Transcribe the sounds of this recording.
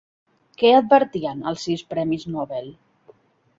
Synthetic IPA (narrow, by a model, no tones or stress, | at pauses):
kɛəd̪̚bəɾt̪iənə̰lˠsiwspɾɛmiznɔβelˠ